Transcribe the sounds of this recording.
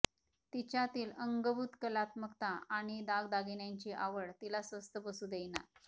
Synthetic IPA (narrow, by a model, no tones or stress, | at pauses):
t̪it͡ɕjat̪iːləŋɡəbut̪kəlat̪məkt̪aaɽ̃id̪aɡd̪aɡinjaɲt͡ɕiʔaʋəɭt̪ilasʋəst̪əbəsuːd̪ejna̰